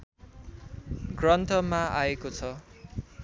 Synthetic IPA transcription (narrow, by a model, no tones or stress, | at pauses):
ɡrʌnt̪ʰʌmaʔaekot͡sʰʌ